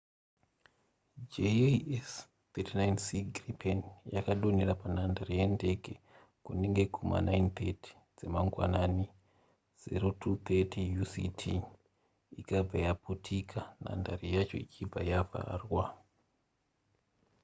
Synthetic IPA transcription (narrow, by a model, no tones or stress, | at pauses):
d͡ʒees | t̪etinajnsiɡripʰenjakaɗonirapanandarijende̞ke | kuneŋɡe̞kʰuma̰naint̪ʰeti̥ | d͡zemaŋɡwa̰nani | z̥ḛro̞tʰut̪ʰetʰijusitʰi | ikab͡vajaputʰikʰana̰ndarijat͡ʃo̞̰it͡ʃib͡vajava̰rwa